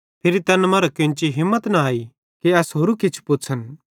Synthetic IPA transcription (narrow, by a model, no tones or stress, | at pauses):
pʰɪɾit̪ɐnmɐɾɐkɪ̃nt͡ʃiɦɪ̃mːət̪nɐaːi | kiɐsɦoːɾukɪt͡ʃʰpʊtːsʰən